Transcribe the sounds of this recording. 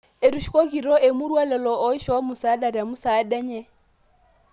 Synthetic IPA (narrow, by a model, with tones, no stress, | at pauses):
e˨ɾu˨ʃi̥˨kʼo˦kʼi˨ɾɔ˦ʔe˨mʊ˦ɾwa˦lɛ˨lɔ˨ɔ˦i˦ʃɔ˦wa˦mʊ˨sa˦da˨ɾa˨mʊ˦sa˨˦dɛ˦ɲɛ˦